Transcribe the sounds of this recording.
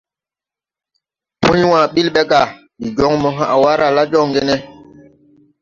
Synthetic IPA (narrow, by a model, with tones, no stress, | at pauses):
pʰu˦ɲwã˨ɓi˦lɓɛ˦ɡa˨ | ɗi˨d͡ʒɔ˦ŋmɔ˨ɦã˨ʔa˨wa˦ɾa˨la˦d͡ʒɔ˦˨ŋɡe˦nɛ˦